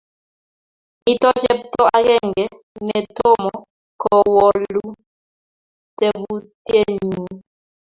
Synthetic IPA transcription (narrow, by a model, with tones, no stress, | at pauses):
mi˦tɔ˦d͡ʒɛ˦p̚tɔ˦a˦ɣɛ˦ŋɡɛ˨ | nɛ˨tɔ˦˨mɔ˨ | kʰɔ˨wɔ˨lu˦ | tɛ˨bu˦te˦˨ɲi˨